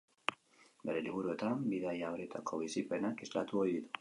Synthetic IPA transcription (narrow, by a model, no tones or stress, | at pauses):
be̞ɾe̞liβuɾue̞t̪ambiðajaoɾe̞t̪ako̞β̞isipe̞nakezlat̪uo̞jðit̪u̥